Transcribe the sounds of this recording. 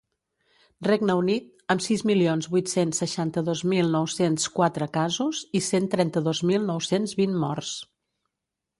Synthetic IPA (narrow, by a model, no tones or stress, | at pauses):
reɡnəunit̪̚əmsizmilionzβujt̪sensːəʃant̪əðozmilˠnɔwsenskwat̪ɾəkazuzisent̪ɾɛnt̪əðozmilˠnɔwsenzβinmɔrs